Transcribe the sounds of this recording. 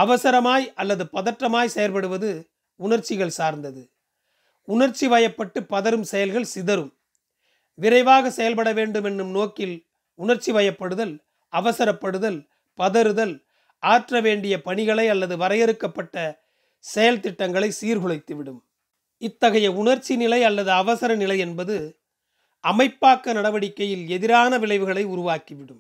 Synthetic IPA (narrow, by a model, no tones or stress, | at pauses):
ɐʋɐsɐɾɐmaːjɐlːɐðɯpɐðɐʈrɐmaːjsɛjɐɾpɐɽɯʋɐðɯ | ʊɳɐɾt͡ʃːɪɣɐɭsaːɾnd̪ɐðɯ | ʊɳɐɾt͡ʃːiʋɐjɐpːɐʈːɯpːɐðɐɾɯmsɛjɐlɣɐɭsɪðɐɾɯm | ʋɪɾɐɪʋaːɣɐsɛjɐlpɐɽɐʋeːɳɖɯmɛnːɯmnoːkɪl | ʊɳɐɾt͡ʃːiʋɐjɐpːɐɽɯðɐl | ɐʋɐsɐɾɐpːɐɽɯðɐl | pɐðɐɾɯðɐl | ʔaːʈrɐʋeːɳɖɪjɐpɐɳɪɣɐɭɐɪɐlːɐðɯʋɐɾɐɪjɛɾɯkːɐpːɐʈːɐ | sɛjɐlt̪ɪʈːɐŋɡɐɭɐɪsiːɾɣɯɭɐɪt̪ːɯʋɪɽɯm | ɪt̪ːɐɣɐjɐʊɳɐɾt͡ʃːinɪlɐɪɐlːɐðɯɐʋɐsɐɾɐnɪlɐɪɛnbɐðɯ | ʔɐmɐɪpːaːkːɐnɐɽɐʋɐɽɪkːɐjɪlɛðɪɾaːnɐʋɪɭɐɪʋɯɣɐɭɐɪʊɾʊʋaːkiʋɪɽɯm